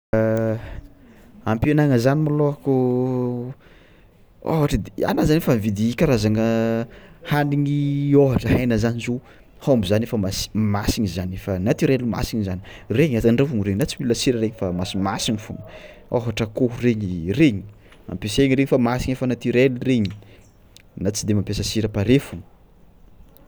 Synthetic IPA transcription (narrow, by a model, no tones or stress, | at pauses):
ampienaŋəzanimaloaku | o̰ɦaʈ͡ʂəd̪ea̰nazanefamvid̪ikʲaɾazaŋə | haɳdiŋioɦaʈ͡ʂəɦajnəzanizo | hombizanefəmasi̥masiɲizanefanat̪iɾeluma̰siɲizanireɲazaɳɖ͡ʐavuŋɾeɲinat͡similasiɾəɾeɲifamasimasiɲifunə | a̰ɦaʈ͡ʂəkoɦureɲireɲi̥ | ma̰mpeseɲiɾeɲifamasiɲefanat̪iɾelureɲi | nat͡sid̪emampesəsiɾəpaɾefuŋə̥